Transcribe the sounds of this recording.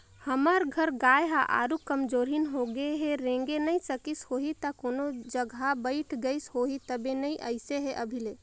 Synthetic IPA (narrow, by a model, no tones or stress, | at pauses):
həməɾɡʱəɾɡaːjɦaʔa̰ːɾukəmd͡ʒoːɾɦinɦoɡeɦeɾẽŋɡenəisəkishoɦit̪akonod͡ʒəɡʱabəɪʈʰɡəɪshoɦit̪əbenəiʔəɪseɦeʔəbʱile